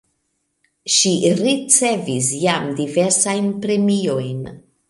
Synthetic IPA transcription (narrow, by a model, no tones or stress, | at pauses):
ʃiɾit͡se̞vis̬jamdive̞ɾsajnpɾe̞mio̞jn